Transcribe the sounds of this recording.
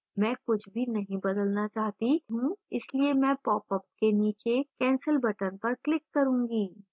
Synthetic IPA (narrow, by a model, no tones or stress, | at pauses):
mɛ̃ːkʊt͡ʃʰbʱinɐɦĩbɐd̪əlnat͡ʃaːɦt̪iɦũɪsliemɛ̃ːpɔːpəp̚keniːt͡ʃekɛ̃ːnsəlbɐʈənpɐɾklɪkːɐɾũːŋɡiː